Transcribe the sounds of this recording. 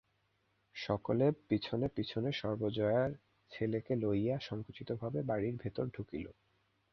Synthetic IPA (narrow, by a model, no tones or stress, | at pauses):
ʃɔkolepit͡ɕʰonepit͡ɕʰoneʃɔɾbod͡ʑɔeaɾ | t͡ɕʰelekelojaʃɔŋkot͡ɕit̪obʱabebaɽiɾbʱet̪oɾɖʱukilo̰